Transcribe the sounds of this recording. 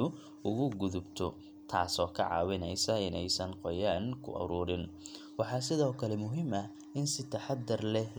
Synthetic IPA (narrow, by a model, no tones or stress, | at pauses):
ʊ | ʊɣʊɡʊðʊbt̪ʰɔ | t̪ʰaːsɔːkʰɐ̰ʕɑ̰ːwɪnɛjsɐɪnɛjsɐnqɔjaːŋkʰʊ̰ʔɐ̰ɾuːɾɪn | wɑħɑːs̬ɪðɔːkʰɐlɛmʊɦɪmɐ | ɪnsɪt̪ʰɐħɑd̪ːɐrlɛl